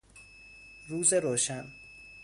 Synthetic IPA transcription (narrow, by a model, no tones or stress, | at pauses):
ruːzeɾoːʃæn